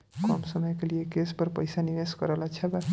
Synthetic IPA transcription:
kɔ̰msəməjkeliekespəɾpəjsaniʋeskəɾəlat͡ʃʰɛb

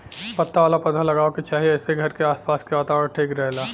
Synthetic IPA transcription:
pɐt̪ːaʋaːlapɐd̪ʱalɐɡaːoket͡ʃaːɦieɛːseɡʱɐɾkeaːspaːskeʋaːt̪aːʋəɽʈʰeːkɾɛɦlaː

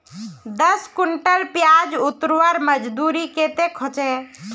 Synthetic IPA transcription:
d̪əskʊɳʈəlpjad͡ʒʊt̪ɾʋəɾməd͡ʒd̪uːɾiket̪ekʰot͡ʃe

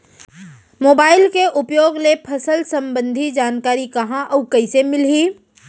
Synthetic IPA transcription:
moːbaːɪlkeʔʊpjoːɡlepʰɐsəlsɐ̃mbə̃nd̪ʱid͡ʒaːnkaːɾikɐɦãʔɐːkɐɪsemɪliː

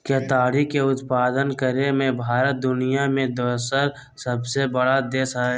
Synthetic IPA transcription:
keːt̪aːɽikeʊt̪paːd̪ənkəɾemẽbʱaːɾət̪̚d̪ʊnijamẽd̪əːsəɾ | səbsebəɽad̪eːsɦɛ

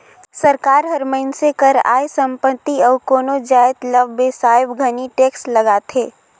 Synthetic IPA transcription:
səɾkaːɾɦəɾməɪnsekəɾa̰ːjsə̃mpət̪ːiɔːkoːnod͡ʒaːɪt̪ləbːesaːɪbɡʱəniʈeːksləɡaːt̪ʰeː

